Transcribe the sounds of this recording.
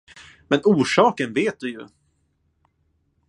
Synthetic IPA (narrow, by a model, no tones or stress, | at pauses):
mɛnuːʂɑːkənveːt̪̚d̪ɵjɵ̰